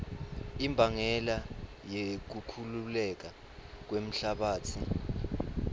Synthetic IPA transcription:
imbʱaŋɛla | jek̬ukʰululɛk̬a | k̬wem̩ɬaɓaːt͡sʰi

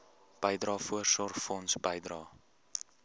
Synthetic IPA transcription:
b̥əjdrɑːfuərsɔrχfɔnsbəjdrɑː

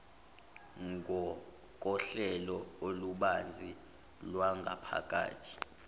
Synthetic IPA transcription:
ŋɡʱɔ | k̬ʼɔɬɛlɔoluɓand͡zʱi | lwaŋɡʱa̰pʰa̰kʼa̰ːtʰi̥

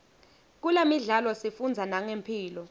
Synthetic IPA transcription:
k̬ulemiɮalɔsifund͡zʱanaŋempʰiːlɔ

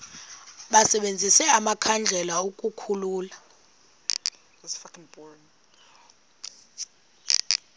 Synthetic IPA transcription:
ɓasɛɓend͡zʱisɛamakʰand͡ɮʱɛlaukʼukʰuluːla | sfaknbɔɹn

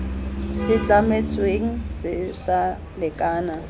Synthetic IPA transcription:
sɪt͡ɬʼamet͡sʼweŋ̩sɪsa | lɪkʼaːna

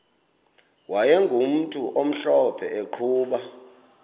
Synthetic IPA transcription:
wajɛŋɡʱum̩tʼuʔom̩ɬɔpʰɛeǃʰuːɓa

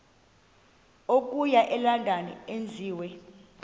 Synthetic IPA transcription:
ok̬ʼujaʔɛlandʱanɛ̰end͡zʱiːwɛ

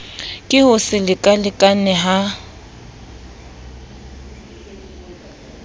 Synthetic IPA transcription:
kʼɪhʊsɪlɪkʼalɪkʼanɛɦa

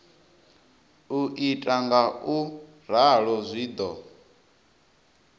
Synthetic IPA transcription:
uʔitʼaŋɡau | ɾaɺɔzʷiːd̪ɔ

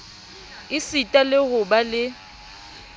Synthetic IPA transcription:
ɪsitʼalɪɣʊbalɪ

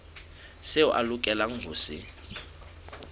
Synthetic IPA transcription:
sɪʊʔalʊkʼɛlaŋ̩ɡʱʊːsɪ̰

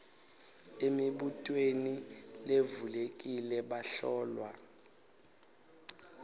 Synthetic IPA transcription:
emiɓutʼwenilevulek̬ʼilɛɓaɬɔːlwa

